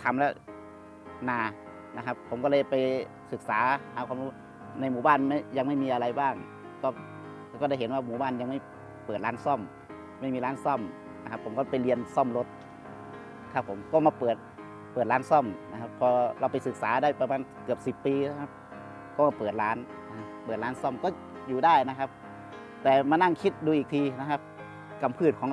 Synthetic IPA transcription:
t̪ʰa˨˧˥mlɛ˦˧˥ | naː˧˩ | na˧kʰa˦˧˥pʰːo˨˦mkɔ˧lɤ˧˩jpa˧˨j | sɯ˨˩k̚saː˨˩˦haː˧˩kʰaː˧mhuː˧˩˨ | na˧˩jmuː˧˩˦baː˧˥˨nma˥˩ja˧ŋma˥˩jmiː˧˨ʔa˧ɾa˧jbaː˥˩ŋ | t̪ɔː˧˩˧ | kɔː˧˩da˧˥˩jɦe˨˦nwaː˧˩muː˨˩baː˧˥˩nja˧ŋma˥˩j | pɤː˨˩t̪̚laː˦˥nsɔ˥˩m | ma˥˩˨jmiː˧laː˦˥nsɔ˧˥˩m | na˧kʰa˧pʰo˨˩˦mkɔː˧˨˧pa˧˩jli˧ənsɔ˧˥˩mlo˧t̪̚ | kʰa˧˥pʰːo˩˦mkɔː˧˩maː˧pɤː˨˩t̪̚ | pɤː˨˩t̪̚laː˦˥nsɔ˧˥˩mna˧kʰa˧˥pʰːɔː˧ɾa˧wpa˨˦jsɯ˧˩k̚saː˨˩˦daː˧˥˩jpa˧maː˧˨nkɯ˨˩əp̚si˨˩pːiː˧a˧˩kʰa˧˥p̚ | kɔː˥˩maː˧˩pɤː˨˩t̪̚laː˦˥n˧ | pɤː˨˩t̪̚laː˦˥nsɔ˧˥˩mkɔː˧˥˩ | juː˨˩daː˥˩jna˦˧kʰa˧˥p̚ | t̪ɛː˨˩maː˧˥na˥˩ŋkʰi˦˥t̪̚duː˧ʔiː˨˩k̚t̪ʰiː˧na˧kʰa˦˧˥p̚ | ka˧mpʰɯː˧˩t̪̚kʰɔː˨˦

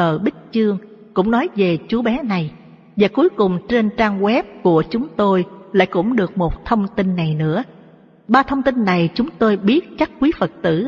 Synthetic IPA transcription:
əː˨˩ɓï˦˥k̟̚t͡ɕɨ˧əŋ | kʊ̰˧˥ŋ͡mnɔ˨˦jve˨˩t͡ɕu˨˦ɓɛ˨˦na˨˩j | vaː˨˩ku˨˦jkʊ˨˩ŋ͡mt͡ɕe˧nt͡ɕaː˧ŋɣwɛ˦˥p̚ku˧˩ət͡ɕʊ˨˦ŋ͡mt̪o˧jla̰ː˧˥jkʊ̰˧˥ŋ͡mɗɨ˨˩ək̚mo˨˩t̚t̪ʰə˧wŋ͡mt̪i˧nːa˨˩jnɨ̰˧˥ə | ɓaː˧t̪ʰə˧wŋ͡mt̪i˧nːa˨˩jt͡ɕʊ˨˦ŋ͡mt̪o˧jɓi˦˥ət̚t͡ɕa˦˥k̚kwi˨˦fə˨˩t̚t̪ɨ̰˧˩

